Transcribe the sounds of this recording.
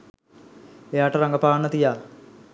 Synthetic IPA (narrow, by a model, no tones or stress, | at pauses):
ejaːʈːɐrɐŋɡɐpaːnːɐt̪ijaː